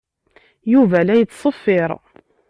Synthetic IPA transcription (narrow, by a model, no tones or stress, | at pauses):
juvælæjət͡sːsˤəfːɪɾˤ